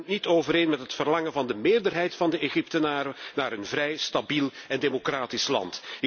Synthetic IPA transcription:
ntnitoːvəɾeːnmɛtɦətfərlɑŋəvɑndəmeːrdərɦɛjtfɑndəʔeɣip̚tənaːɾənaːɾənvrɛjstabilɛndeːmokraːtislɑ̰ntɪ

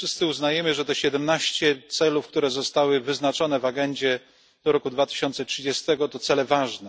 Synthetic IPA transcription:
fʂɘst̪sɘuznajɛmɘʐɛt̪ɛɕɛd̪ɛmnaɕt͡ɕɛt̪sɛlufk̚t̪uɾɛzɔst̪awɘvɘznat͡ʂɔnɛvaɡɛɲd͡ʑɛ | d̪̥ɔɾɔkud̪vat̪ɘ̥ɕɔnt̪sɛtʂɘd͡ʑɛst̪ɛɡɔt̪ɔt̪sɛlɛvaʐnɛ

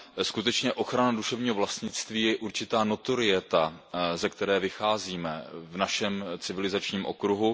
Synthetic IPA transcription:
skut̪ɛt͡ʃɲɛʔo̞xɾanaduʃɛvɲiːɦo̞vlast̪ɲɪt͡st̪viːjɛʔuɾt͡ʃɪt̪aːno̞t̪o̞ɾɪjɛt̪azɛkt̪ɛɾɛːvɪxaːziːmɛvnaʃɛmt͡sɪvɪlɪzat͡ʃɲiːmʔo̞̰kɾuɦu

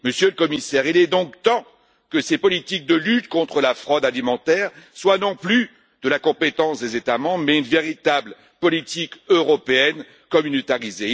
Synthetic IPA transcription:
məsjøləkɔmisɛʁilɛd̪ɔ̃kt̪ɑ̃ | kəsepɔlit̪ik̚d̪əlyt̪kɔ̃t̪χəlafχɔd̪alimɑ̃t̪ɛʁswanɔ̃ply | d̪̥əlakɔ̃pet̪ɑ̃sd̪ezet̪amɑ̃bʁmɛynveʁit̪abl | pɔlit̪ikøʁɔpeɛn | kɔmynot̪aʁize

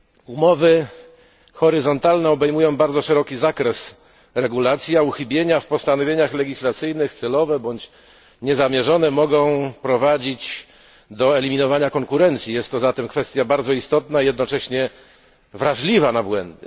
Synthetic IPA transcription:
umɔvɘ | xɔɾɘzɔnt̪alnɛɔbɛjmujɔ̃w̃baɾd̪zɔʂɛɾɔkʲizakɾɛs | ɾɛɡulat̪sʲjauxɘbʲjeɲafpɔst̪anɔvʲjeɲaxlɛɡʲislat̪sɘjnɘxt̪sɛlɔvɛbɔɲt͡ɕ | ɲɛzamʲjɛʐɔnɛmɔɡɔ̃w̃pɾɔvad͡ʑit͡ɕ | d̪ɔɛlʲimʲinɔvaɲakɔŋkuɾɛnt̪sʲjijɛst̪ːɔzat̪ɛmkfɛst̪ʲjabaɾd̪zɔist̪ɔt̪naijɛd̪nɔt͡ʂɛɕɲɛ | vɾaʐlʲivanabwɛ̰nd̪ɘ

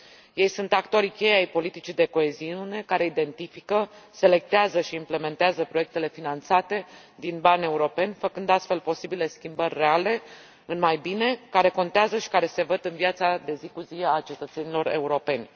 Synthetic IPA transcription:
je̞jsunt̪akt̪o̞ɾikʲe̞jeajpo̞lit̪it͡ʃid̪e̞ko̞e̞ziune̞kaɾe̞id̪e̞nt̪ifikəse̞le̞k̚t̪eazəʃiːmple̞me̞nt̪eazəpɾo̞je̞k̚t̪e̞le̞finant̪sat̪e̞ | d̪inbane̞uɾo̞pe̞nʲfəkɨnd̪ast̪fe̞lpo̞sibile̞skʲimbərʲːe̞ale̞ | ɨnmajbine̞kaɾe̞ko̞nt̪eazəʃi̥kaɾe̞se̞vəd̪ɨnviat̪sad̪e̞zikuzieat͡ʃe̞t̪ət̪se̞nilo̞ɾe̞̰uɾo̞pe̞nʲ

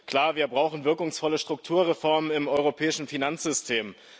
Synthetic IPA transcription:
kʰl̥aːɐviːɐbʁaʊxn̩vɪɐkʊŋsfɔləʃtʁ̥ʊk̚tʰuːɐʁefɔɐmənɪmʔɔʏʁ̞opʰɛːɪʃn̩finant͡sz̥ʏstʰeːm

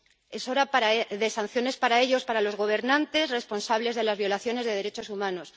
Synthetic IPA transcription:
e̞so̞ɾapaɾaðe̞san̟θjo̞ne̞spaɾae̞ʎo̞spaɾalo̞zɣo̞β̞e̞ɾnãnt̪e̞sre̞spo̞nsaβle̞zð̞e̞lazβjo̞laθjone̞zðe̞ð̞e̞ɾe̞t͡ʃo̞sumãno̞s

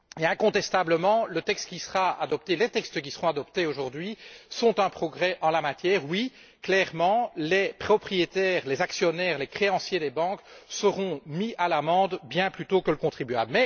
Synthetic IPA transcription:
eɛ̃kɔ̃t̪ɛst̪abləmɑ̃lət̪ɛkst̪̚kʲisəʁaad̪ɔp̚t̪elet̪ɛkst̪k̬ʲisəʁɔ̃ad̪ɔpt̪eoʒuʁd̪ɥisɔ̃t̪ɛ̃pχɔɡʁɛʔɑ̃lamat̪jɛːʁwi | klɛʁmɑ̃lepχɔpχijet̪ɛːʁlezaksjɔnɛːʁlɛkχeɑ̃sjed̪ebɑ̃ksəʁɔ̃mialamɑ̃ːd̪bjɛ̃plyt̪okələkɔ̃t̪χibya̰blmɛ

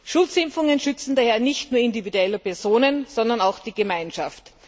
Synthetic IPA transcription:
ʃʊlt͡sɪmfʊŋənʃʏt͡sn̩daːhɛːɐnɪçtnuːɐɪndividuɛləpɛɐzoːnənz̥ɔndɐnaʊxd̥iːɡəmaɪnʃaft

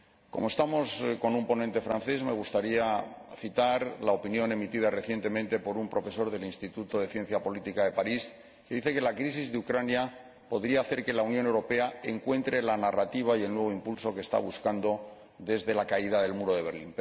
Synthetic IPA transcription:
ko̞moe̞st̪amo̞sko̞numpo̞nent̪e̞fɾanθe̞sme̞ɣ̞ust̪aɾiaθit̪aɾlao̞pinjo̞ne̞mit̪iðare̞θje̞nt̪e̞mẽnt̪e̞po̞ɾumpɾo̞fe̞so̞ɾðe̞linst̪it̪ut̪o̞ðe̞θje̞n̟θjapo̞lit̪ikaðe̞paɾis | keðiθe̞ke̞lakɾis̬izðeukɾanja | po̞ðɾiaːθe̞ɾke̞launjone̞wɾo̞pe̞ae̞ŋkwe̞nt̪ɾe̞lanarat̪iβ̞aie̞lnwe̞β̞o̞impulso̞kest̪a̰β̞uskand̪o̞ | d̪e̞zðe̞lakaiðaðe̞lmuɾo̞ðe̞βe̞ɾlḭmp

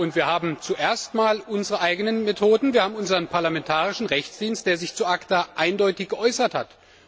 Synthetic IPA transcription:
ʔʊntv̥iːɐhaːbm̩t͡suʔeːɐstmaːlʔʊnzəʁəʔaɪɡənənmetʰoːdn̩viːɐaːbm̩ʊnzəʁənpʰaɐlamɛntʰaːʁɪʃn̩ʁɛçt͡sd̥iːnst̚d̥eːɐzɪçt͡suːʔaktaʔaɪndɔʏtɪçɡ̥əʔɔʏsɐtha̰t

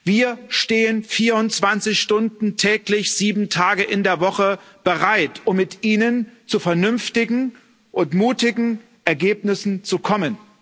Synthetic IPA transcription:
viːɐʃteːənfiːɐʊnt͡sv̥ant͡sɪçʃtʊndn̩tʰɛːklɪçz̥iːbm̩tʰaːɡəʔɪndeːɐvɔχə | b̥əʁaɪtʰʊmːɪtʔiːnənt͡sufɛɐnʏnftɪɡŋ̩ | ʔʊntmuːtɪɡŋ̩ | ʔɛɐɡeːpnɪsn̩t͡sukʰɔmən

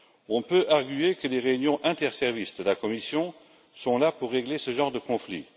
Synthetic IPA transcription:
ɔ̃pøʔaʁɡyekəleʁeynjɔ̃ʔɛ̃t̪ɛʁsɛʁvistd̪əlakɔmisjɔ̃ | sɔ̃lapuʁːeɡlesəʒɑ̃ːʁd̪əkɔ̃flḭ

